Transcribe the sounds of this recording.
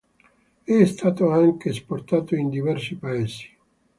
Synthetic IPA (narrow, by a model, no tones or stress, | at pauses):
ɛst̪aːt̪oaŋkesport̪aːt̪oind̪ivɛrsipaeːsi̥